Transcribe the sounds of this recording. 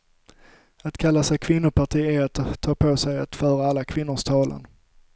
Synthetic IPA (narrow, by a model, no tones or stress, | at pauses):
at̪kʰalːasɛjkʰvɪnːʊpʰaʈiːeat̪ʰːɑːpʰosɛjat̪fœːɾaalːakʰvɪnːʊʂt̪ʰɑːlə̰n